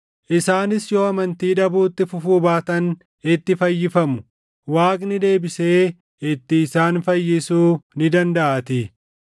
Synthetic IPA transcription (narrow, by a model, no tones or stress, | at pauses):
ʔɪsaːnɪsjo̞ːɐmɐnt̪iːᶑɐbuːt̪ːɪfʊfuːbaːt̪ɐn | ɪt̪ːɪfɐjːɪfɐmʊ | waːkʼnɪd̪e̞ːbɪse̞ː | ɪt̪ːɪːsaːnfɐjːɪsuːnɪd̪ɐnd̪ɐʔɐt̪ɪ